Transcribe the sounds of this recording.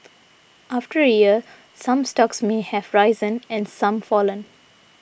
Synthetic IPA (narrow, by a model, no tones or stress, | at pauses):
ʔaːfʈəɾəjiə | sʌ̃msʈɔksmehævɹaɪzə̃nɛ̃nsʌ̃mfɔːlə̃n